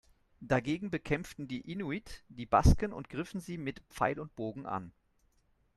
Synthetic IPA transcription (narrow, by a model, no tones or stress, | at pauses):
d̥aɡeːɡŋ̩bəkʰɛmftn̩diːʔinuitd̥iːba̰skənʊ̰ntɡ̥ʁɪfn̩ziːmɪtpp͡fa̰ɪlʊnt̚b̥oːɡŋ̩ʔa̰n